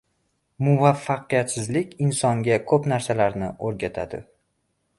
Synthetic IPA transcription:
mʊvafːaqɨjat̪sɪzlɪkʲɪnsɒŋɡʲakʰɵpnaɾsalaɾnɪoɾɡʲat̪ʰad̪ɪ̰

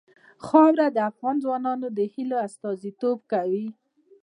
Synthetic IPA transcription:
xɑwɾad̪əafɣɑnzwɑnɑnod̪əhiloast̪ɑzit̪ob̚kawi

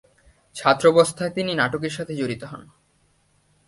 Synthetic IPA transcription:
t͡ɕʰat̪ːɾobost̪ʰaet̪ininaʈokeɾʃat̪ʰed͡ʑoɾit̪oɦɔ̰n

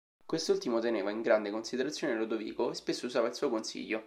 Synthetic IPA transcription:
kwest̪ult̪imot̪eneːvaiŋɡɾand̪ekonsid̪eɾat̪sːjoːneɾod̪ovḭːkoespesːouzaːvailsuːokonsḭʎːo

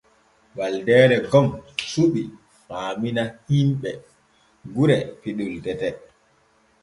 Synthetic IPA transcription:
ɓaldɛːɾɛɡɔmsuɓi | faːminahimɓɛ | ɡuɾɛpiɗultɛtɛ

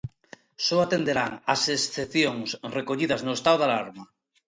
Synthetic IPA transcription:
soat̪end̪eɾaŋasesθeθjoŋsrekoʎið̞aznoest̪awðalaɾma

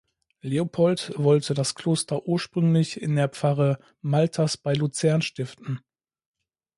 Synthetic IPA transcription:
leopʰɔltvɔltʰədaskl̥oːstɐʔuːɐʃpʁ̥ʏŋlɪçɪndeːɐpp͡faʁə | maltʰasb̥aɪlut͡sɛɐnʃtɪftn̩

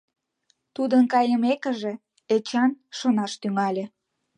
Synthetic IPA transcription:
t̪ud̪ənkɑjəmekə̆ʒĕ | et͡ɕɑnʃonɑʃt̪yŋɑlʲĕ

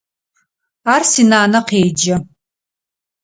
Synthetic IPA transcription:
aːrsinaːnɐqeːd͡ʒɐ

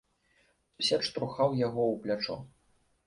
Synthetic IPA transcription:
usʲɛt͡ʂt̪ɾuxawjaɣɔwplʲat͡ʂɔ̰

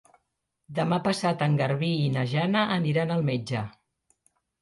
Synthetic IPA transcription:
d̪əmapəsat̪əŋɡəɾβiːnəʒanəʔəniɾanəlˠmed͡ʒə

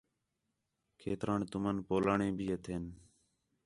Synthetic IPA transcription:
kʰḛːt̪ɾaːɳt̪ʊmənpoːlaːɳẽːbʱiːət̪ʰeːn

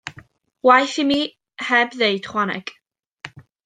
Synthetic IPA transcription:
wajθimi | hɛbðeɨd̥χwanɛ̰ɡ̥

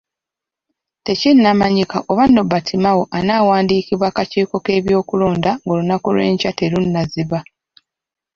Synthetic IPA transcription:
te̞cinːamaɲikaʔo̞βanːo̞batʰimawo̞ʔanawaːndiːkiβwaːkaciːko̞ke̞ːβjo̞ːkulo̞ːndaŋɡolunakulwe̞̰ːɲcate̞lunːaziβa

